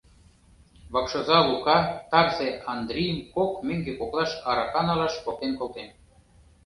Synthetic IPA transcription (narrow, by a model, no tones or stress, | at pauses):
βɑkʃŏzɑlukɑt̪ɑrzeɑnd̪rʲijəmkokmĕŋɡekoklˠɑʃɑɾɑkɑnɑlɑʃpol̚t̪enkolˠt̪em